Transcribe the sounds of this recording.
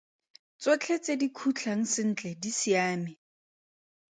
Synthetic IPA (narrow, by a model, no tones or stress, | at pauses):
t͡sʼot͡ɬʰet͡sʼedikʰut͡ɬʰaŋ̩sɪn̩ːt͡ɬʼɛdisiaːmɪ